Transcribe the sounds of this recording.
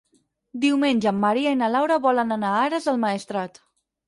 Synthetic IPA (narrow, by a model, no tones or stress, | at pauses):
d̪iwmenʲʒəːmːəɾiainəlawɾəβɔlənənaaɾəzəlˠməest̪ɾat̪